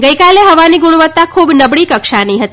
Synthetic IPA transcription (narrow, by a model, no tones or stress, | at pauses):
ɡəikaleɦəʋaniɡuɽ̃ʋət̪ːakʰubnəbɽikəkʃaniɦət̪